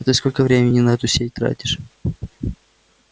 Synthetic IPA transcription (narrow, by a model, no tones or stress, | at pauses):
t̪ɨskolʲkəvɾʲemʲɪnʲɪnɐɛt̪ʊsʲet̚ʲt̪ɾa̰tʲɪʂ